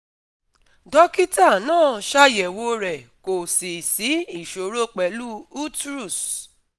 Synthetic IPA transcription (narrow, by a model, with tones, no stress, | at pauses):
dɔ˦ki˦ta˦˨nãː˦˨ʃa˦jɛ˨wo˧˦ɾɛ˨ko˨si˨si˨˦i˦˨ʃo˨ɾo˦k͡pɛ˨lu˦u˦tɾu˦˨s